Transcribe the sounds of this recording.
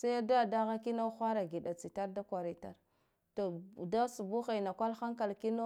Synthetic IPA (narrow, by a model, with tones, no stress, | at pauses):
sa˦ja˦da˦da˦ɣa˦ki˦na˦xʷa˦ɾa˨ɡi˨ɗa˨t͡si˨ta˦ɾda˦kʷa˨ɾi˨ta̰˨ɾ | to˨da˦su˨bu˦ɣa˨na˨kʷa˦lxa˦ŋka˨lki˦no˦